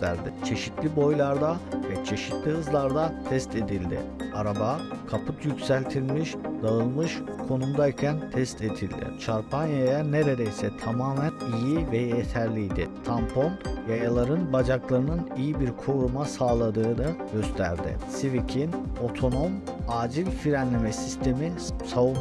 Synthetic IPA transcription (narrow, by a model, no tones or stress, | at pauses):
t̪ʰæ̰ɾd̪ɪt͡ʃʰe̞ʃit̪lʲibo̞jlˠaɾd̪avɛt͡ʃʰe̞ʃit̪lʲiɯzlˠaɾd̪at̪ʰɛst̪ʰe̞d̪ilʲd̪ɪ̰ | aɾabakʰapʰɯt̪ʰjycʲsælʲt̪ʰilʲmiʃd̪aɯlˠmɯʃkʰo̞numd̪aicʰænt̪ʰɛst̪ʰe̞d̪ilʲd̪ɪ̰t͡ʃʰaɾpʰanjajane̞ɾe̞d̪ejsɛt̪ʰamaːmænijivejjet̪ʰæɾlʲijd̪ɪ̰t̪ʰampʰonvɛelˠaɾɯnbad͡ʒaklˠaɾɯnɯnijibiɾkʰo̞ɾumasaːlˠad̪ɯːnɯɟø̞st̪ʰæ̰ɾd̪ɪ̰sivicʰino̞t̪ʰo̞no̞m | aːd͡ʒilʲfiɾænlʲemɛsist̪ʰe̞mi | sau